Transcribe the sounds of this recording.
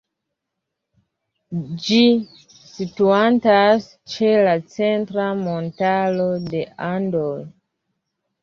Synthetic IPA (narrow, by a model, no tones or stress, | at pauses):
d͡ʒi | situantas | t͡ʃe̞lat͡se̞ntɾamo̞ntalo̞de̞ʔandoj